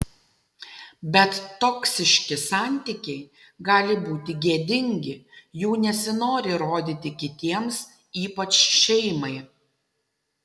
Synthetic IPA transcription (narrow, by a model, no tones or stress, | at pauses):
bʲɛt̪ːɔksʲɪʃʲkʲɪsɑːˑnʲt̪ʲɪkʲɛɪ | ɡɑːlʲɪbuːt̪ʲɪɡʲiɛd̪ʲɪŋʲɡʲɪjuːnʲɛsʲɪnoːɾʲɪɾoːd̪ʲɪt̪ʲɪkʲɪt̪ʲiɛms | iːpɐt͡ʃʃʲɛɪmɐɪ